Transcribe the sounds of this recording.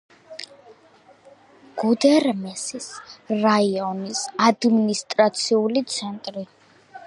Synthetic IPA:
ɡ̥ud̪ɛɾmɛsisɾaiɔnisad̪minist̪ʼɾat̪sʰiulit̪sʰɛnt̪ʼɾi

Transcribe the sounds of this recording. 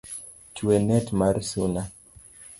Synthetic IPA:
t͡ʃuɛnɛtmaɾsuna

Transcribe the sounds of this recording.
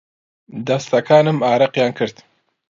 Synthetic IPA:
d̪ɐst̪ɐkʰaːnɨmaːɾɐqjaːnkʰɨɾd̪

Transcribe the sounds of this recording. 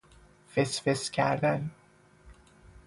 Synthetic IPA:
fesfescʲʰæɾd̪æn

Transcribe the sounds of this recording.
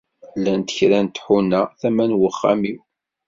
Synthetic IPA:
lːænt̪ə̥çɾænt̪ħunːæθæmænwəχːæ̰miw

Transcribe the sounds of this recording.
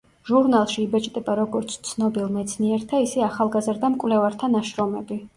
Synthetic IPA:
ʒuɾnalˠʃiːbɛt͡ʃʼd̪ʼɛbaɾɔɡɔɾt̪sʰt̪sʰnɔbilˠmɛt̪sʰniɛɾt̪ʰaisɛaχalˠɡazɾd̪amkʼwvlɛvaɾt̪ʰanaʃɾɔmɛbi

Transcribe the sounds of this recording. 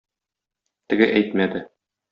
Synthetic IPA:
t̪ɘ̆ɡɘʔæjt̪mæd̪ɘ

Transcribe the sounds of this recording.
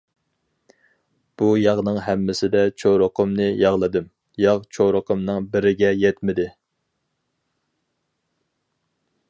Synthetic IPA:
b̥ujɑʁnɨŋɦɛmːɪsɪd̪ɛt͡ʃʰoɾəqʰəmnɨjɑʁlˠɨd̪ɨm | jɑʁt͡ʃʰoɾəqʰəmnɨŋbɪɾɪɡʲɛjɛt̪mɪd̪ɪ

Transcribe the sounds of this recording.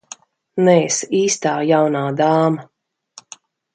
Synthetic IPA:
nɛːsiːst̪aːjawnaːd̪aːma

